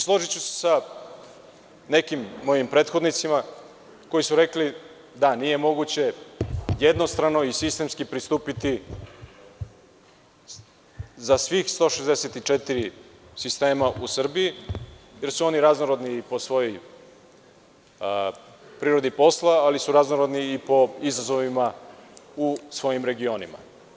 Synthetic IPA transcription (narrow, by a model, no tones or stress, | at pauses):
slˠo̞ʒit͡ɕuse̥sa | ne̞kimːo̞jimpɾe̞ːt̪xo̞d̪nit̪sima | ko̞jisuɾe̞kli | d̪anije̞mo̞ɡut͡ɕe̞jed̪no̞st̪ɾano̞isist̪e̞mskipɾist̪uːpit̪i | zasʋixst̪o̞ʃezd̪eset̪it͡ʃet̪iɾisist̪e̞ːmaʔusr̩biije̞ɾsuo̞niɾaznoɾo̞d̪niːpo̞sʋo̞jo̞j | pɾiɾo̞d̪ipo̞slˠaalisuɾaznoɾo̞d̪niːpo̞izazo̞ʋima | usʋo̞jimɾe̞ɡio̞nima̰